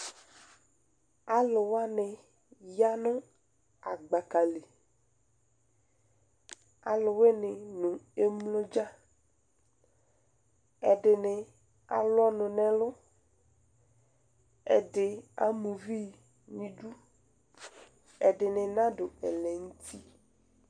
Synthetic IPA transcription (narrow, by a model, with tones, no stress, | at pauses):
a˨lʊ˨wa˦nɪ˨ | ja˦nʊ̃˦ | a˨ɡ͡ba˨ka˨le˨ | a̰˨lʊ˨we˦nɪ˨nʊ̃˨e˦mlʊ˦d͡ʒa˦ | ɛ˨ɖɪ˨nɪ˨ | a̰˨lʊ˦ɔ˦nʊ̃˨nɛ̃˨lʊ˦ | ɛ̰˨dɪ˨a̰˦mũ˨vi˦ | ɲĩ˦ɖu˦ | ɛ˨ɖɪ˨nɪ̃˨nã˦ɖʊ˨ɛ˨lɛ˨ŋu˦t̪ʰi˦